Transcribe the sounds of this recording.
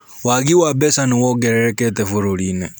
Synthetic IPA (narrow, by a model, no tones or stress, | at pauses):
waɡiwabɛsaniwɔɡɛɾɛɾɛkʼɛt̪ʼɛvuɾɔɺiːnɛ